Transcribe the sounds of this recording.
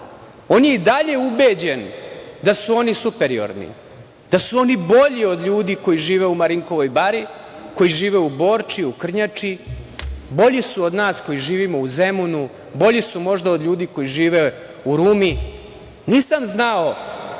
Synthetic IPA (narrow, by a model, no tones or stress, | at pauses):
o̞ːnjeid̪aʎe̞ubed͡ʑe̞nd̪asuo̞nisupe̞ɾio̞̰ɾnḭ | d̪̥asuo̞nibo̞ʎio̞d̪ʎuːd̪iko̞jiʒiːʋeumaɾiŋko̞ʋo̞jbaɾi | ko̞jiʒiːʋeubo̞ːɾt͡ʃiukr̩ɲat͡ʂi | bo̞ʎisuo̞d̪naːsko̞jiʒiːʋimo̞uzemunu | bo̞ʎisumo̞ʒd̪aod̪ʎʲuːd̪iko̞jiʒiːʋe | uɾuːmi | niːsamznao